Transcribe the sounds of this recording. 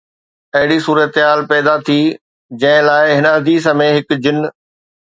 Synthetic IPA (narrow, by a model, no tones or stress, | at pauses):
ɐɦɪɽisuːɾət̪ɦaːlpɛːd̪at̪ʰiː | d͡ʑɐ̃ɦɪ̃laːɪɦɪnəɐd̪ʱiːsəmẽɦɪkd͡ʑɪn